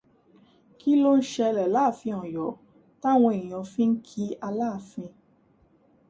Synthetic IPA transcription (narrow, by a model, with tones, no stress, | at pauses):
ki˦lo˦n̩˦ʃɛ˧lɛ˨la˦˨fĩ˧ɔ̃˨jɔ˨˦ | ta˦˨w̃ɔ̃˧i˨j̃ɔ̃˨˧˦fĩ˦ŋ̩˦kʰi˦a˧laː˦˨fĩ˧